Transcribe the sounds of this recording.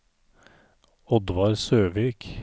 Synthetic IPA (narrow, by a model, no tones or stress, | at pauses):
ɔd̪ʋɑɾsøːʋiːk